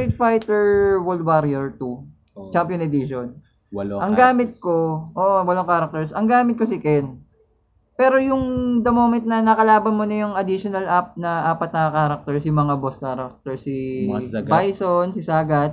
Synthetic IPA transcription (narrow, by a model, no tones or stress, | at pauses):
ɪd̪fajt̪ɛɹwolwaɾɛɹt̪u | t͡ʃampjonɛd̪iʃon | wʔɐŋɡaːmɪt̪̚koʔoːʔowɐlaŋkaːɾɐk̚t̪ɛɹsɐŋɡaːmɪt̪̚kosɪkɛn | pɛːɾojʊŋd̪ɐmoːmɪt̪̚nɐnɐkɐlaːbɐnmonɐjʊŋɐd̪ɪʃonɐlʔap̚nɐʔaːpɐt̪̚nɐɐkaɾɐk̚t̪ɛɹsjʊŋmɐŋaboskaːɾɐk̚t̪ɛɹsi | bajsonsɪsaːɡɐt̪̚